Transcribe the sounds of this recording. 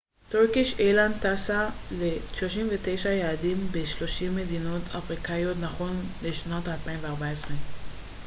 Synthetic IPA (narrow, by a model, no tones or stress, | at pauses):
toʁkiʃelant̪asaleʃloʃimvetejʃajaːdimbeʃlo̞ʃimːe̞dino̞tʰafʁikajjo̞tnaχo̞nleʃnotalpainveaʁbaesʁe